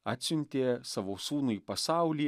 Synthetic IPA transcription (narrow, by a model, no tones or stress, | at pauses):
aːt̪ʲsʲʊnʲt̪ʲeːsɐʋosuːnuipɐsɑˑʊlʲiː